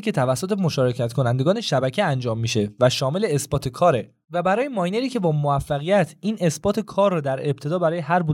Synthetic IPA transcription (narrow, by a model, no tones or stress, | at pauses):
kʲʰe̞t̪ʰævæsːot̪ʰe̞mo̞ʃɒːɾe̞cʰæt̪kʰo̞nænd̪e̞ɡɒːne̞ʃæbæcʰeænd͡ʒɒːmːiʃe̞væʃɒːme̞leːsbɒːt̪ʰe̞kʰɒːɾe̞ | væbæɾɒːjemɒːjne̞ɾiːcʰe̞bɒːmoæfːæɣijæt̪ʰiːnʔe̞sb̥ɒːt̪ʰe̞kʰɒːrːɔːd̪æɾe̞b̚t̪ʰe̞d̪ɒːbæɾɒːjeɦæɾbu